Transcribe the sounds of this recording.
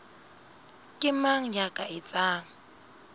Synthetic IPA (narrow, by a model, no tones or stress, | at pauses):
kʼɪmaŋ̩jakʼaɪt͡sʼaːŋ̩